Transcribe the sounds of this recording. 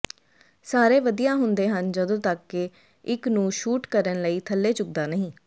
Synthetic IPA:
saːɾeːʋəd̪ijãːɦʊnd̪eːɦənd͡ʒəd̪õːt̪əkːɪ | ɪknũːʃuːʈkəɾənləiːt̪ʰəlːeːt͡ʃʊk̚d̪aːnəɦĩː

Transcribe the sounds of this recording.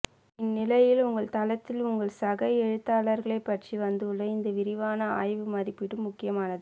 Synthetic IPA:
ɪnːɪlɐjɪlʊŋɡɐɭt̪ɐlɐt̪ːɪlʊŋɡɐɭsɐɣɐɛɻɯt̪ːaːlɐɾɣɐɭɐɪpːɐʈt͡ʃiʋɐnd̪ɯɭːɐɪnd̪ɐʋɪɾɪʋaːnɐa̰ːjʋɯmɐɾɪpːɪɽɯmːʊkːɪjɐmaːnɐðɯ

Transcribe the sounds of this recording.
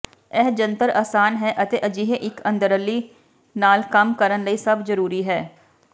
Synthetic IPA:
ɛːd͡ʒənt̪əɾaːsaːnɦɛːʔət̪eːʔəd͡ʒiːɦeʔɪkə̃nd̪əɾəliː | naːlkəmkəɾənləiːsəbzəɾuːɾiːɦɛː

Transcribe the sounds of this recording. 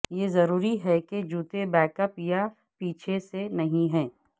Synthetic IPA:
jeːzɐɾuːɾiɦɛked͡ʒuːt̪ebɛːkəpja | piːt͡ʃʰesenɐɦĩɦɛ̃ː

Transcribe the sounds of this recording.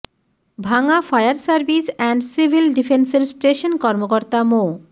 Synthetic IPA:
bʱaŋafajaɾsaɾbisɛɳɖsibʱilɖifenseɾsʈeʃonkɔɾmokoɾt̪amo

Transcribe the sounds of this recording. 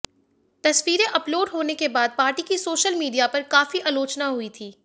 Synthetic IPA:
t̪ɐswiːɾẽʔɐploːɖɦoːnekebaːd̪̚paːɾʈikisoːʃəlmiːɖijapɐɾkaːfiʔaːloːt͡ʃnaɦuit̪ʰiː

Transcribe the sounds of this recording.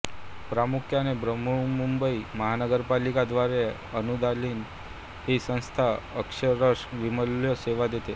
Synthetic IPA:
pɾamukʰjanebɾəmuɭmumbəiməɦanəɡəɾpalikad̪ʋaɾe | ənud̪ʱaliːn | ɦisə̃w̃st̪ʰaəkʂəɾəʂʋiməlːjɔseʋad̪et̪e

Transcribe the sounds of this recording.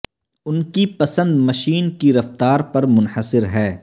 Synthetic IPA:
ʊnkipɐsə̃nd̪mɐʃiːnkiɾɐft̪aːɾpɐɾmʊnħəsɪɾɦɛː

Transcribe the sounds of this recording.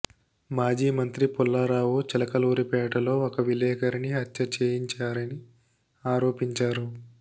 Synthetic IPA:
maːd͡ʒiːmɐnt̪ɾipulːɐɾaːwut͡ʃɛlɐkɐluːɾipɛːʈɐlo̞ːokɐʋilɛːkɐɾiniɦɐt̪ʃɐt͡ʃeːjiɲt͡ʃaːɾɐni | aːɾo̞ːpiɲt͡ʃaːɾu

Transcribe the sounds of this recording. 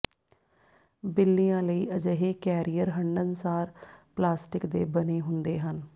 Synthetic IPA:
bɪlːijãːləiːʔəd͡ʒəɦeːkɛːɾijəɾɦəɳɖənsaːɾplaːsʈɪkd̪ḛːbəneːɦʊnd̪eːɦən

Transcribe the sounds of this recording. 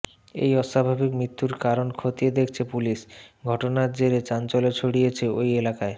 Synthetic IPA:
ḛjɔʃabʱabikmɾit̪ːuɾkaɾonkʰot̪ied̪ekʰt͡ɕʰepuliʃɡʱɔʈonaɾd͡ʑeɾet͡ɕant͡ɕolet͡ɕʰoɽijet͡ɕʰeojelakae

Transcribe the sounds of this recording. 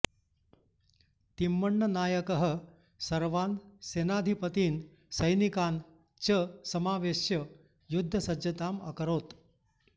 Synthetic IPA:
t̪imːəɳːənaːjəkəɦə̆ | sɐɾʋaːnsenaːd̪ʱipət̪iːn | səjnikan | t͡ɕəsɐmaːʋeʃjə | jud̪ʱːəsɐd͡ʑɐt̪aːmɐ̰kəɾoːt̪

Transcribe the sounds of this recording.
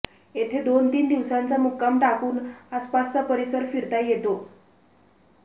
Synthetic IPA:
et̪ʰed̪ont̪iːnd̪iʋsant͡samukːamʈakuːnaspast͡sapəɾisəɾfiɾt̪ajet̪o

